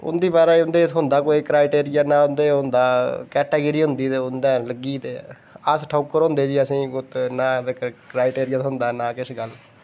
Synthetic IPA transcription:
ʊ̰nd̪iːbaːɾaːʊnd̪eːt̪ʰɦʊnd̪aːkoːiːkɾaːɪʈeːɾɪjaːnãːʊnd̪eːɦʊnd̪aːkɛːʈeːɡəɾiːɦʊnd̪iːt̪eːʊnd̪aːləɡiːt̪eː | əsʈʰaʊkːəɾɦõːnd̪eːd͡ʒiːəsĩːʊt̪naːt̪ːkɾaːɪʈeːɾɪjaːt̪ɦʊnd̪aːnaːkɪsɡəl

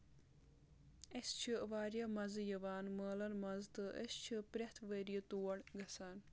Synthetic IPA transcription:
est͡ʃʰiʋaːɾjɐmɐzɨjɐʋaːnməːlɐnmɐzt̪ɨʔḛst͡ʃʰipɾʲeht̪ʰʋəɾijɐt̪uːɐɽɡɐsaːn

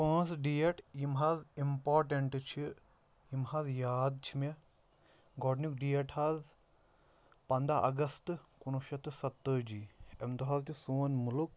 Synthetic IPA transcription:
pə̃ːsɖiːeʈjimɦaːzimpoːɾʈeɳʈt͡ʃʰi | jimhaːzjaːd̪̚t͡ʃʰime | ɡɔːɖnuk̚ɖijeʈʰaːz | pɐ̃nd̪aʔɐ̰ɡɐst̪kunuʃɐt̪ɨsɐt̪ːəd͡ʒiːemt̪uɦaːzt̪isuːnmuluk̚

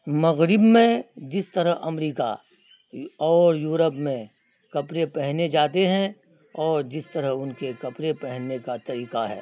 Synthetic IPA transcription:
mɐɣɾɪbmẽd͡ʒɪst̪əɾəɦɐ̰mɾiːka̰ | ɔːɾjuːɾəpmẽ | kɐpɾepɛɦned͡ʒaːt̪eɦɛ̃ | ɔːɾd͡ʒɪst̪əɾəɦʊnkekɐpɾepɛɦnːekat̪ɐɾiːkaɦɛ̰ː

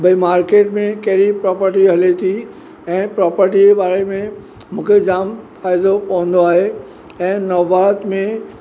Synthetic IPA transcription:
bʱɐimaːɾkeːʈmẽkɐɦɪɾipɾɔːpəɾʈiɦɐlet̪ʰi | ɛ̃ːpɾɔːpəɾʈibaːɾemẽ | mũːkʰed͡ʑaːmfaːɪd̪opɐʋ̤ə̃nd̪oaːɦe | ɛ̃ːnɐʋaːt̪mẽ

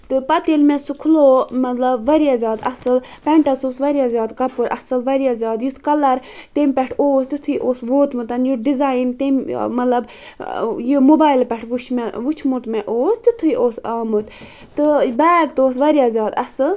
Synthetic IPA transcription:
t̪ɨpɐt̪elmɛ̃sukʰlomɐt̪lɐbʋɐɾijazʲaːd̪ɐsɨlpɛɳʈasoːsʋɐɾjazʲjaːd̪kɐpuɾʔɐ̰sɨlʋɐɾjazʲjaːd̪jut̪kɐlɐɾt̪emʲpʲɛʈʰoːst̪ut̪ʰɨiʔoːsʋoːt̪mɨt̪ɐnjuɖizaːjint̪emmɐt̪lɐb | jimobaːilpʲɛʈʰʋut͡ʃʰmɛʋut͡ʃʰmut̪mɛʔoːst̪it̪ʰuiʔoːsaːmɨt̪ | t̪ɨbaːɡ̚t̪oːsʋɐɾjazʲjaːd̪ɐsɨl

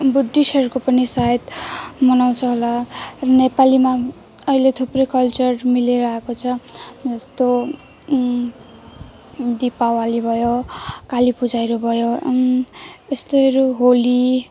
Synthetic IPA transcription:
bud̪ʱːisʌrkopʌnisaet̪mʌnaw̃t͡sʰʌɦolarʌnepalima | ʌilet̪ʰuprʌjkʌlt͡sʌrmileɾʌɦekot͡sʰʌd͡zʌst̪o | d̪ipawalibʱʌjokalipud͡zajɾobʱʌjo | est̪oɾuɦoli

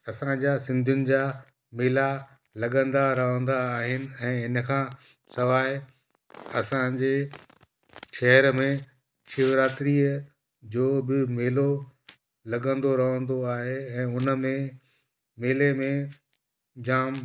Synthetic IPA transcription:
ɐsãd͡ʑaːsɪ̃nd̪ʱjʊnɪ̆d͡ʑaː | mɪːla | lɐɠə̃nd̪aɾɐɦə̃nd̪aːɦɪnɪ̆ɛ̃ːɪnəkʰãː | sɐʋaːɦɪ | ɐ̰sãd͡ʑeː | ʃɛɦəɾmẽ | ʃɪʋɾaːt̪ɾiːə | d͡ʑoːbɪmeːlo | lɐɠə̃nd̪oɾɐɦə̃nd̪oaːɦeɛ̃ːʊnəmẽ | meːlemẽ | d͡ʑaːm

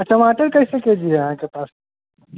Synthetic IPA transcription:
ɐʈɐmaːʈəɾkɐɦisɐkeːd͡ʒieɐɦãːkepaːs

